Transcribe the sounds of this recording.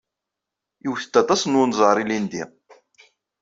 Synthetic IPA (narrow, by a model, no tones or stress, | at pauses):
uwθə̥t̪ːæt̪ˤɑsnwʊnzˤʁɾˤilind̪i